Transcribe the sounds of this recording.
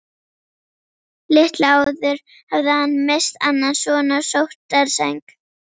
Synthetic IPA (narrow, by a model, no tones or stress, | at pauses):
lɪht̪laːwðʏɾ̥ | havðɪhanːmest̪a̰nːansvɔːnasowht̪ːaɾsajŋk